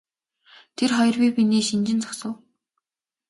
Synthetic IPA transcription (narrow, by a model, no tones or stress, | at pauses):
t̪ʰerχɔj̆rpipineːʃint͡ɕɪ̆nt͡sḁksə̆w